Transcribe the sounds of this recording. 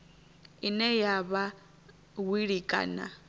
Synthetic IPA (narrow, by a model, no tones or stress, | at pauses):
inɛjaβa | wiɺikʼa̰ːna̰